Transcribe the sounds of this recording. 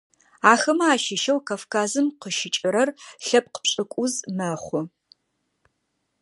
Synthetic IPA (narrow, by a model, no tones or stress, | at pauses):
aːxɐmɐaːʃɪʃɐwkʰafkʰaːzɨmqəʃɪt͡ʃʼɪɾɐrɬɐp̚qə̥pɕʼɨkʷʼʊzmɐχʷʊ